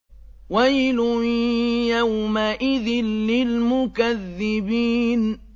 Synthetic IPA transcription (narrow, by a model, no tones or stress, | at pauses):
wajlʊ | jawmaʔɪðɪnːɪlmʊkaðːɪbiːn